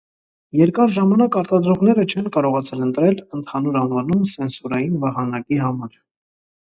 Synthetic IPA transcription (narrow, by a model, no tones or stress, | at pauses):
jɛɾkɑɾʒɑmɑnɑkɑɾt̪ɑd̪ɾɔʁn̪ɛɾət͡ʃʰɛnkɑɾɔʁɑt͡sʰɛlənt̪ɾɛlənt̪ʰɑnuɾɑnvɑnumsɛnsuɾɑjinvɑhɑnɑkiɦɑmɑɾ